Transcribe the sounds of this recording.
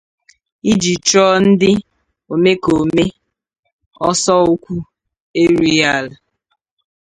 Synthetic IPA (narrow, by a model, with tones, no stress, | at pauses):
i˦d͡ʒi˨t͡ʃɔ˦n̩˦dɪ˦ | o˨me˦ko˨me˦ | ɔ˦sɔ˦u˦kʷu˦ | e˦ɾi˦a˦˨l